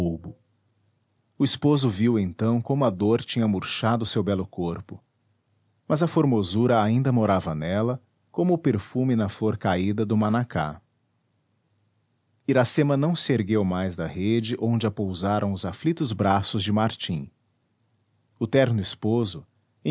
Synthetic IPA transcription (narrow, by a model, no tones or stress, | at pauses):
obʊ | ʊispozʊviwẽnt̪ɐ̃w̃kõmʊɐd̪oɾt͡ʃĩɲɐmuɾʃad̪ʊsewbɛlʊkoɾpʊ | mɐzɐfoɾmozuɾɐaĩnd̪ɐmoɾavɐnɛlɐ | kõmʊːpeɾfumɪnɐfloɾkaid̪ɐd̪ʊmanakʰa̰ | iɾasẽmɐnɐ̃w̃sɪeɾɡewmajzd̪ɐhed͡ʒɪʔõnd͡ʒɪɐpowzaɾʔɐ̃w̃ʊzaflit̪ʊzbɾasʊzd͡ʒɪmaɾt͡ʃĩ | ʊt̪ɛɾnʊispozʊ | ẽ